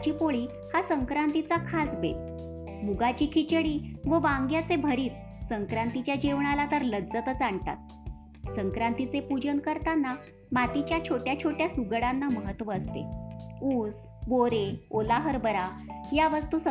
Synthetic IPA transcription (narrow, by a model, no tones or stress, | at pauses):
t͡ɕiːpoɭiː | hasəŋkɾant̪it͡sakʰasbḛ | muɡat͡ɕiːkʰit͡ɕəɽiːʋəʋãŋɡjat͡sebʱəɾiːt̪̚ | səŋkɾant̪it͡ɕjad͡ʑeʋɳalat̪əɾlədd͡zət̪ət͡saɳt̪a̰t̪̚ | səŋkɾant̪it͡sepud͡ʑənkəɾt̪anːa | mat̪it͡ɕjat͡ɕʰoʈjat͡ɕʰoʈjasuɡɽanːaməɦət̪ːʋəəst̪ḛuːs | boɾeolaɦəɾbəɾajaʋəst̪uːs